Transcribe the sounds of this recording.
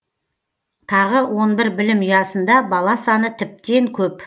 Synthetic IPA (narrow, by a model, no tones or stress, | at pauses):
t̪ʰɑʁəwʔo̞nbɪɾbɪlɪmʏjɑsənd̪ɑbɑlˠɑsɑnət̪ʰɪp̚t̪e̞ŋkʲʰɵp